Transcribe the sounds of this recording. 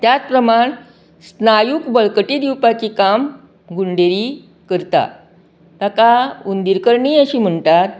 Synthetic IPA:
t̪jat͡spɾəmaɳ | snajukbəɭkəʈid̪iwpat͡ɕikam | ɡuɳɖeɾi | kəɾt̪a̰ | t̪akaund̪iɾkəɾɳiːəɕiːm̤əɳt̪at̪̚

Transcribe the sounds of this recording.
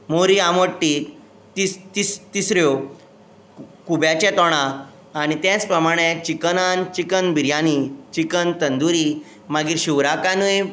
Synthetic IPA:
moɾiaməʈːiː | t̪it̪ist̪isɾjo | kubjat͡ɕɛ̃t̪ɔɽ̃ãː | ɽ̃it̪jɛ̃t͡spɾəmaɽ̃et͡ɕikənant͡ɕikənbiɾjanit͡ɕikənt̪ənd̪uɾi | maɡiːɾɕiʋɾakanuj

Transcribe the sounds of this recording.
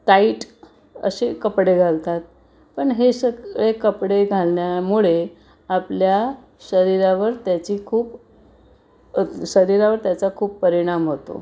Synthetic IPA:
ʈaiʈ | ə̰ɕekəpɽeɡʱalt̪at̪̚ | pəɳɦesəɡɭekəpɽeɡʱalɳjamuɭe | aplja | ɕəɾiɾaʋəɾt̪jat͡ɕiːkʰuːp | ɕəɾiɾaʋəɾt̪jat͡sakʰuːpːəɾiɽ̃amɦot̪o̰

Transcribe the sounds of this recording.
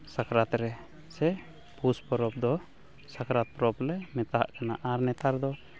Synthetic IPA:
sakɾat̪ɾɛ | sɛ | puspɔɾɔp̚d̪ɔ | sakɾat̪̚pɔɾɔplɛmɛt̪aɦa̰ʔkana̰ʔaɾnɛt̪aɾd̪ɔ

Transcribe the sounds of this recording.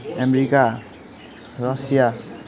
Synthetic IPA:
ɛmɾika | ɾɔsija

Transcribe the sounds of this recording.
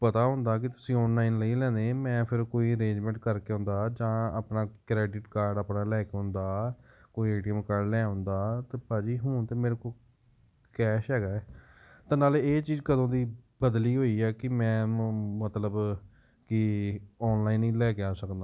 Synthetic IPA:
pət̪aːɦʊ̃nd̪aːk̬ɪt̪ʊ̥sĩːɔːnlaːiːnləiːlɛ̃ːnd̪eːmɛ̃ːpʰɪɾkoːiːəɾẽːd͡ʒmɛ̃ːɳʈkəɾkeːɦʊ̃nd̪aːd͡ʒãːa̰ːpnaːkɾɛːɖɪʈkaːɾɖaːpnaːlɛːkeːɦʊ̃nd̪aːkoːieːʈiəmkaːɾɖlɛːɦʊ̃nd̪aːt̪eːpaːd͡ʒiːɦuːnt̪eːmeːɾeːkoː | kɛːʃɦɛːɡaːɛː | t̪ãːnaːleeːt͡ʃiːzkəd̪õːd̪iːbəd̪liːɦoːiːɛːkɪmɛ̃ːmət̪ləb | kɪɔːnlaːinːĩːlɛːkɪaːsəkd̪aː

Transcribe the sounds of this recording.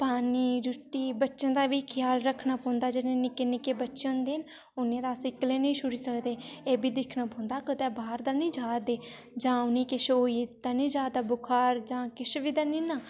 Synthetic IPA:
paːniːd͡ʒʊʈːiːbətːʃə̃ːd̪aːʋiːkʰɪjaːlɾəkʰnaːpɔ̃ːnd̪aːd͡ʒənẽːnɪkeːnɪkeːbətːʃə̃nd̪eən | ʊnẽːɾaːsɪkleːnĩːʃʊɾiːsəkd̪eːeːbʱiːd̪ɪkʰnaːpõːnd̪aːkət̪eːbaːɾd̪aːnĩːd͡ʒaːd̪eː | d͡ʒãːʊniːkɪʃoːiːd̪aːnĩːd͡ʒjaːd̪aːbʊkʰaːɾd͡ʒãːkɪʃʋiːd̪aːniːnaː

